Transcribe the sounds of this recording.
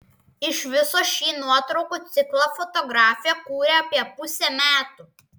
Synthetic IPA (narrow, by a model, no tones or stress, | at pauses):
ɪʃʋʲɪsoːʃʲiːnuɔt̪ɾɔʊkuːt̪sʲɪklˠɐfɔt̪ɔɡɾɑːfʲɪjɛkuːɾʲɛɐpʲiɛpʊsʲɛmʲæːt̪uː